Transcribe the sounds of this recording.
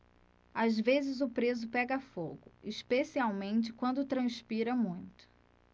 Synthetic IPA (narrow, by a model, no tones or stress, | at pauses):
azvezɪzʊpɾezʊpɛɡɐfoɡʊiʃpesiawmẽnt͡ʃɪkwɐ̃nd̪ʊt̪ɾɐ̃spiɾɐmũj̃t̪ʊ̥